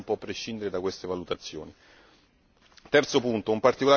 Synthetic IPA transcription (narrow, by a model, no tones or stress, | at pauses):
mpwɔpːɾeʃːind̪eɾed̪akwest̪evalut̪at̪sːjo̰ːni | t̪ɛrt̪sopunt̪oumpart̪ikola